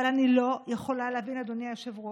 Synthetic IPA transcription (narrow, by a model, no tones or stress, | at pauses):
alanilojeχo̞laleavinad̪oniajoʃevʁo